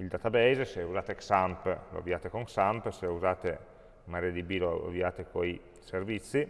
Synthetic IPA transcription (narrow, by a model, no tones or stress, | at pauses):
ild̪at̪abɛjzeseuzaːt̪eksamplo̰a̰viaːt̪ekoŋsampseuzaːt̪e | maɾed̪ibiloa̰viaːt̪ekoi | servit̪sːi